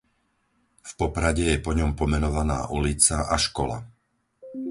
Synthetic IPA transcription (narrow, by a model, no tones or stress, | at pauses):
fpɔpɾaɟɛjɛpɔɲɔmpɔmɛnɔʋana̰ːʔulit͡saʔaʃkɔla̰